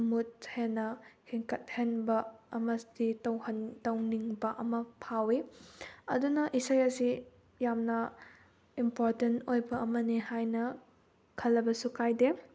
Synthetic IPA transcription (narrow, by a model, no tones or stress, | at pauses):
mut̚henːɐhiŋkɐt̚henbɐɐmɐsditɐwhɐntɐwniŋbɐʔɐmɐpʰawiɐ̰dunɐʔisajɐsi | jamnɐ | impoɾtentojbɐɐmɐnihajnɐ | kʰɐlːɐbɐsukajde